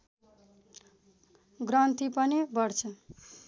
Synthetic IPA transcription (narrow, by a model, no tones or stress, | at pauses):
ɡrʌnt̪ipʌnibʌrt͡sʰʌ